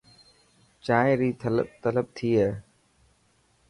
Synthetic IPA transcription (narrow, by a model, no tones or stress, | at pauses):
t͡ʃaːẽɾiːt̪ʰələt̪ələɓ̚t̪ʰiːɦeː